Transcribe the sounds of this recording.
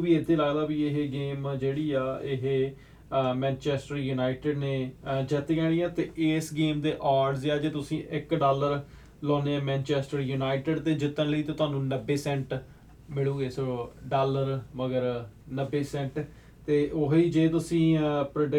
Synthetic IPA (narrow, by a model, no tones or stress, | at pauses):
biːet̪ʰːeːlaːɡd̪aːbiːɪɦeɡeːmd͡ʒeːɽiːaːɪɦe | mɛ̃ːnt͡ʃɛːsʈəɾjuːnaːɪʈɪɖneːd͡ʒɛt̪ːkɛːɽ̃ĩːãːt̪eːʔeːsɡeːmd̪eːʔaːɖzaːd͡ʒeːt̪ʊsĩːʔɪkɖaːləɾ | lɔ̃ːneːãːmɛ̃ːnt͡ʃɛːsʈəɾjuːnaːɪʈɪɖt̪eːd͡ʒɪt̪ːənləiːt̪õːt̪ʊaːnũːnəbːeːsɛ̃ɳʈ | mɪɭuːɡeːsooɖaːləɾməɡəɾnəbːeːsɛ̃ɳʈ | t̪eːʔoɦiːd͡ʒeːt̪ʊsĩːpɾəɖɪ